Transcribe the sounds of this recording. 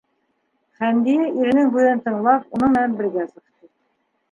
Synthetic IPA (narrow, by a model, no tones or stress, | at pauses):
χænd̪inɘʔiɾɘ̆nɘŋbʉðɘnt̪ɤ̆ɴlˠɑpunɤɴmɘ̆nænbɘ̆ɾɡæsɤ̆qt̪ɤ